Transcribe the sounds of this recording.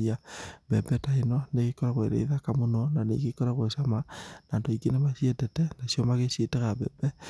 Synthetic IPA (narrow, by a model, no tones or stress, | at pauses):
iabɛbɛtaenɔneɣekɔɾaɣweɾḛiðakamonɔnanḛkekɔɾaɣweʃamanaːndoikenemaʃiɛtɛtɛnasijɔmaɣesetɛɣabɛ̰bɛ